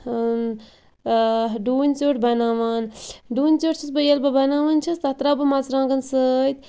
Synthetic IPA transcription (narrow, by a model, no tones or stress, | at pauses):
ɖuːnʲt͡soːʈbɐnaːʋaːnɖuːnʲt͡soʈt͡ʃʰisbɐjɐlbɐbɐnaːʋɐnt͡ʃʰɐst̪ɐt̪ɾabɐmat͡sɾãːŋɡɐnsət̪ʲ